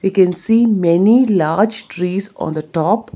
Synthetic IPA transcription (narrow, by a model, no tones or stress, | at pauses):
ʋiːkɛ̃nsiːmɛnilaːɾd͡ʒʈɾiːzɔ̰̃ːnd̪əʈɔːp